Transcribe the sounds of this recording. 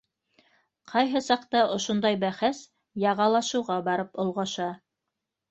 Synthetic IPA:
qʰɑjɦɤsɑqt̪ɑʔŏʃŏnd̪ɑjbæχæs | jɑʁɑlˠɑʃɤ̆wʁɑbɑɾɤpŏlˠʁɑʃɑ

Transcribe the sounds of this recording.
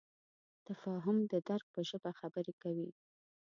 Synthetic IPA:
t̪afɑɦʊmd̪əd̪aɾɡ̚pəʒəbaxabəɾekawi

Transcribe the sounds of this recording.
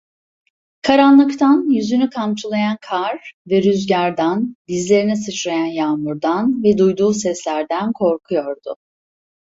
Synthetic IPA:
kʰaɾanlˠɯkt̪ʰanjyzynykʰant͡ʃʰulˠajankʰaɾvɛɾyzɟaɾd̪anbizlʲe̞ɾinɛsɯt͡ʃlajanjaːmuɾd̪anvɛd̪ujd̪uːsɛslʲæɾd̪ænkʰo̞ɾkʰujo̞ɾd̪ʊ

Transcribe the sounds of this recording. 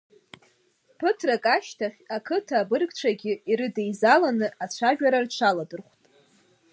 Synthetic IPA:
pʰɨtʰrakʼaʃtʰaχʲakʰɨtʰaːbɨrɡʼt͡ʃʷʰaɡʲɪiɾɨdejzalanɨʔat͡ɕʷʰaʒᶣaɾart͡ʃʷʰaladɨrχʷtʼ

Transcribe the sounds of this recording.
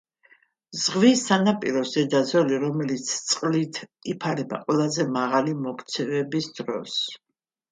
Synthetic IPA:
zʁvisːanapʼiɾɔsɛd̪azɔliɾɔmɛlit̪sʰt̪sʼqʼlit̪ʰipʰaɾɛba̰qʼwɛlˠazɛmaʁalimɔkʰt̪sʰɛvɛbisd̪ɾɔ̰s

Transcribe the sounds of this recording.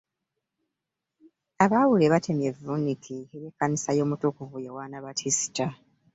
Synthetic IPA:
aβawuleβatʰe̞mje̞vunikʰieβeːkːanisajo̞ːmutukuvujawaːnaβatʰisi̥ta

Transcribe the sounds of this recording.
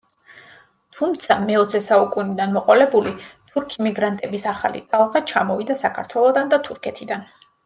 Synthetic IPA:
t̪ʰumt̪sʰamɛɔt̪sʰɛsaukʼunid̪anmɔqʼɔlɛbulit̪ʰuɾkʰimiɡɾant̪ʼɛbisaχa̰lḭt̪ʼalˠʁat͡ʃʰamɔvid̪asakʰa̰ɾt̪ʰwɛlˠɔd̪and̪at̪ʰuɾkʰɛt̪ʰid̪an

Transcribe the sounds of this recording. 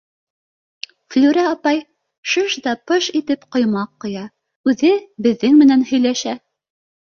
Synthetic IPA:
flʲuɾæɑpɑj | ʃɤʃd̪ɑpɤʃit̪ɘpqŏjmɑqːŏjɑ | ʉðɘbɘ̆ðːɘŋmɘ̆nænhɵ̆jlæʃæ

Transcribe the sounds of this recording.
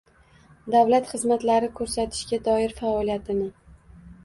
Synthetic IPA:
d̪awlat̪χɨzmat̪laɾɪkʰɵɾsat̪ʰɪ̥ʃɡʲad̪ɒɪɾfaɒlijat̪ʰɪnɪ

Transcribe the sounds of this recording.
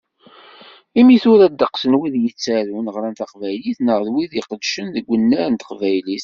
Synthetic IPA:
imiθʊɾæd̪ːəqsənwiðjət͡sːæɾunəʁɾænt̪aqvæjliθnəʁðwiðiqəd̪ʃənðəɡʷːənːæɾənt̪ə̥qvæjliθ

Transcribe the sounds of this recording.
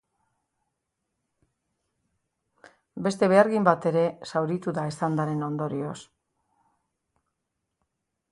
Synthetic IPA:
be̞st̪e̞βe̞aɾɣimbat̪e̞ɾe̞sawɾit̪uðaesand̪aɾe̞no̞nd̪o̞ɾio̞s

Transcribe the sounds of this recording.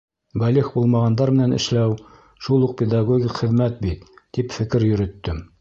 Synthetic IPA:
bæliχbulˠmɑʁɑnd̪ɑɾmɘ̆nænɘ̰̆ʃlæw | ʃulˠuq̚pʲed̪ɑɡoɡʲikχɘ̆ðmæt̪̚bit̪ːipfɘ̆kɘɾjɵ̆ɾɵ̆t̪ːɵm

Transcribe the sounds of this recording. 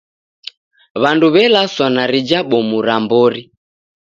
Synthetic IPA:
βanduβɛlaswanaɾid͡ʒaɓɔmuɾambɔɾi

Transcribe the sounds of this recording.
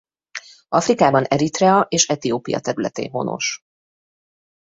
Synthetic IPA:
ʔɒfrikaːbɒnɛɾit̪ɾɛɒʔeːʃɛt̪ijoːpijɒ̰t̪ɛɾylɛt̪ḛːnɦo̞̰no̞̰ʃ

